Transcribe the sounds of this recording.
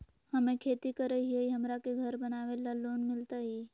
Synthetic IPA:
hɐmẽkʰeːt̪ikəɾeɦieiɦɐmɾakeɡʱɐɾbənaːʋelaloːnmɪlt̪aɦiː

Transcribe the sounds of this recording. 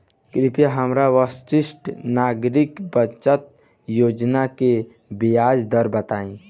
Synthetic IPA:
kɾɪpjaɦəmɾaʋəst͡ʃɪsʈnaːɡɾɪkbət͡ʃət̪̚ | joːd͡ʒnake | bijaːd͡ʒd̪əɾbət̪aːĩ

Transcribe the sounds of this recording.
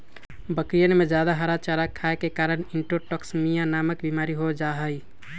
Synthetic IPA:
bəkɾijənmed͡ʒjad̪aɦəɾat͡ʃaɾakʰaekekaɾəniɳʈoʈəksmijanaməkbimaɾiɦod͡ʒaɦəj

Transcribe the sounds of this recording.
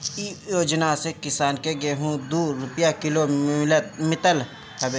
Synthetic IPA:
ijoːd͡ʒnasekɪsaːnkeɡeːɦũd̪uːɾːʊpjakɪloɪlət̪̚mɪt̪əl | hɐbe

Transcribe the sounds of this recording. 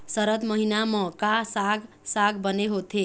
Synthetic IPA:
sʌɾət̪məɦinamʌ̃kasaɡ | saɡbəneɦot̪ʰe

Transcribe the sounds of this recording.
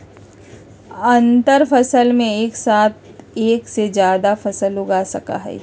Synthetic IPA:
ɐ̃nt̪əɾfɐsəlmẽeːksaːt̪̚ʰeːksed͡ʒjaːd̪afɐsəlʊɡaːsɐka̰ɦɛ̰ː

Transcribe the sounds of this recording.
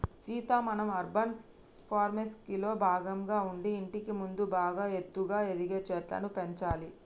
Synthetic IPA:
siːt̪aːmɐnɐmɐɾbʱɐn | pʰaːɾmeskilo̞ːbʱaːɡɐmɡaːuɳɖiːɳʈikimund̪ubaːɡaːe̞t̪ːuɡaːe̞d̪iɡeːt͡ʃɛʈlɐ̰nupeɲt͡ʃaːli

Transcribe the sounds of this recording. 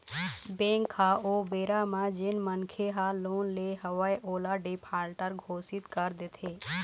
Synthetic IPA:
bẽːŋkʰːaoːbeːɾamãd͡ʒɪnmənkʰeɦaloːnleɦəwajʔoːlaɖɪpʰaːlʈəɾɡʱoːsɪt̪kəɾd̪ɪt̪ʰeː

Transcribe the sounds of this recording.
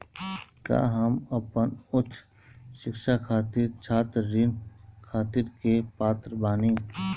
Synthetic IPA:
kja̰ːɦəmɐpənʊtːʰ | ʃɪkʃakʰaːt̪ɪɾt͡ʃʰaːt̪ɾːinkʰaːt̪ɪɾkepaːt̪ɾəbaːneː

